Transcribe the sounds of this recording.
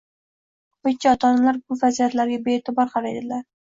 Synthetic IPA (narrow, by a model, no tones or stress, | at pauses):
ʊkʰʲiɒt̪ʰɒnalaɾbʊfazijat̪laɾɡʲabeːt̪ʰɪbɒɾqʰɑɾajd̪ɪlaɾ